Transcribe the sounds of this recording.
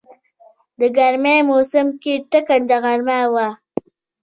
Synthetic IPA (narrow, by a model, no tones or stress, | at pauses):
d̪əɡaɾmemosəmkiʈəkand̪aɣaɾmawa